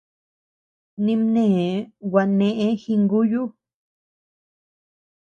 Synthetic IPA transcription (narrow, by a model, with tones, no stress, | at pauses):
nĩ˧mnẽ˦˨wa˧nẽ˧ʔẽ˦xi˧ŋɡu˦ju˦